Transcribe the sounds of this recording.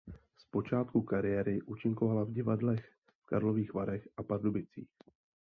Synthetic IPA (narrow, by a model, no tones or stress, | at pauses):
spo̞t͡ʃaːt̪kukaɾɪjɛːɾɪʔuːt͡ʃɪŋkovalavɟɪvadlɛx | fka̰ɾlo̞viːxvaɾɛxʔapardobɪt͡sḭːx